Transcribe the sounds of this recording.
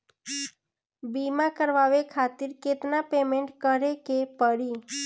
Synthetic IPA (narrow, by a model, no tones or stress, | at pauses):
bimãkəɾʋaʋekʰat̪iɾket̪napemeɳʈkəɾekepəɽi